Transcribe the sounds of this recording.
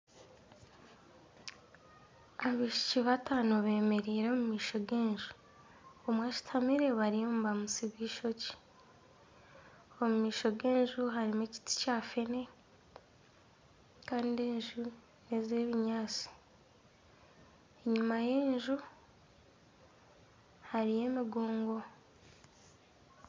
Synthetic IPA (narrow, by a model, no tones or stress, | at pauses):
aβiːʃi̥ciβataːnoβe̞ːme̞ɾiːɾe̞mumiːʃo̞ɡe̞ːɲʒu̥ | omwaːt͡ʃi̥tʰamiɾe̞βaɾijoːmbamusiβiːʃo̞ci̥ | omumiːʃo̞ɡe̞ːɲʒuɦaɾimeci̥ti̥caːfe̞ne̞ | kaːndeːɲʒu | neze̞ːβiɲaːt͡si̥ | eɲumaje̞ːɲʒu | haɾije̞ːmiɡoːŋɡo̞